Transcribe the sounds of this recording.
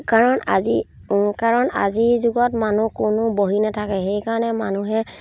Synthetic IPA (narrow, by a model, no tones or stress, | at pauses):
kaɹɔnazi | kaɹɔna̰zizʊɡɔtmanukʊnʊboɦinatʰakɛxejkaɹɔnɛmanuɦɛ